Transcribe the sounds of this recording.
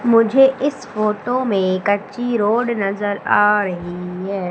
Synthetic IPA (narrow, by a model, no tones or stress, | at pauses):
mʊd͡ʒʱeʔɪsfoːʈomẽkɐt͡ʃiɾoːɖnɐzəɾaːɾɐɦiɦɛː